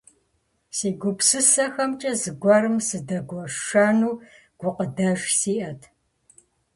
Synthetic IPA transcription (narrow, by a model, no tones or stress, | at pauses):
siːɡʷʊpsɨsɐxɐmt͡ʃʼɐzɨɡʷɐrɨmsɨdɐɡʷɔʂaːnuː | ɡ̥ʷʊqədɐʒsiːʔɐtʰ